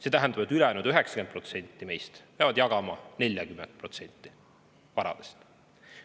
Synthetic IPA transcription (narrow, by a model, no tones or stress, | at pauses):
set̪æɦɛnd̪̥ɑbet̪ːˑylɛɑjnud̪yɦe̞ksɑ̥ke̞npro̞t̪se̞nʲt̪ːˑime̞jst̪peɑvɑd̪̥jɑɡ̥ɑmɑne̞lʲjɑkymːend̪̥̚pro̞t̪se̞nʲt̪ːˑi | vɑɾɑ̰d̪̥e̥st̪